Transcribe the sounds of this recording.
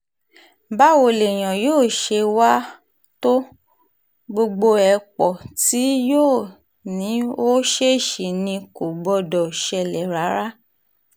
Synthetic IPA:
ba˦wo˧˨le˨j̃ã˨joː˦˨ʃe˧wa˦ | to˦ | ɡ͡bo˧ɡ͡bo˧ɛ˧k͡pɔ˨ti˨˦joː˦˨ | nĩ˨˦o˦ʃe˦˨ʃi˨nĩ˧ko˨ɡ͡bɔ˧dɔ˨ʃɛ˧˨lɛ˨ɾa˨˦ɾa˦

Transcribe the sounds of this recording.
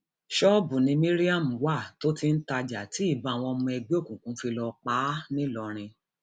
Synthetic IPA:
ʃɔ˦bu˨nĩ˧mĩ˦ɾi˦a˦˨m̩˨wa˦˨to˦ti˦n̩˦ta˧d͡ʒa˨ti˨˦i˦˨ba˨˧˨w̃ɔ̃˧mũ˧ɛ˧ɡ͡be˦o˦˨kũ˨kũ˨˦fi˧lɔ˧k͡paː˨˦nĩ˦lɔ˧ɾ̃ĩ˧

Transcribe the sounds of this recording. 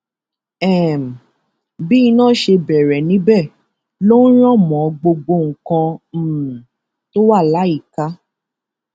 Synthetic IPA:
ɛ˦˨m̩˨ | bi˦i˧nãː˦˨ʃe˧bɛ˨ɾɛ˨nĩ˨˦bɛ˦˨ | lo˦n̩˦ɾ̃ɔ̃˦˨mɔ̃˨˦ɡ͡bo˧ɡ͡bo˧ŋ̩˨kã˧˨ | to˦wa˦˨la˨˦i˦˨ka˧˦

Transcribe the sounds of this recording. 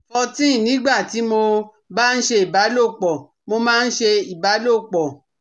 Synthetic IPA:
ɔ˧tĩ˦˨nĩ˨˦ɡ͡ba˦˨ti˨˦mo˧ | ba˦n̩˦ʃe˧i˨ba˨˦lo˦˨k͡pɔ˨ | mo˧mãː˦˧n̩˦ʃe˧i˨ba˨˦lo˦˨k͡pɔ˨

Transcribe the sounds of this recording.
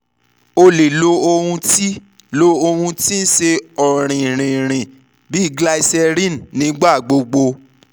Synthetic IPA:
o˧le˨lo˧o˧hũ˧ti˦ | lo˧o˧hũ˧ti˦n̩˦ʃe˧ɔ˨ɾ̃ĩ˨ɾ̃ĩ˨ɾ̃ĩ˨ | bi˨˦i˦˨ɡla˧˦i˧sɛ˧ɾĩ˦˨nnĩ˨˦ɡ͡ba˦˨ɡ͡bo˧ɡ͡bo˧

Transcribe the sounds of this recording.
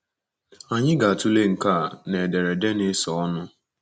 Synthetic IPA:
a˨ɲɪ˦ɡa˨a˨tu˦le˦ŋ̩˨ka˦˨ne˨de˨ɾe˨de˦nɪ˦sɔ˨ɔ˦nʊ˦

